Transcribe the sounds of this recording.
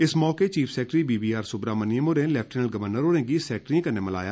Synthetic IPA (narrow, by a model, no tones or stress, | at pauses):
ɪsmɔːket͡ʃiːpʰsɛːk̚ʈɾiːbiːbiːaːɾsʊbɾaːməniəmoːɾẽːlɛːp̚ʰʈeːnəlɡəʋəɾnəɾoːɽẽːɡiːsɛːk̚ʈɾĩkəneːməla̰ːjaː